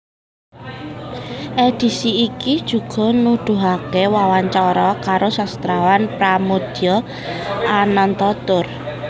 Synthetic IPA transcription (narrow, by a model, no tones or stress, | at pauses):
ʔed̪̥i̤siːkid̥ʒ̥ṳɡ̥ɔ̤nud̪̥ṳɦakewawaɲt͡ʃɔɾɔkaɾosast̪ɾawanpɾamod̪̥i̤ɔ | anɔnt̪ɔt̪ʊr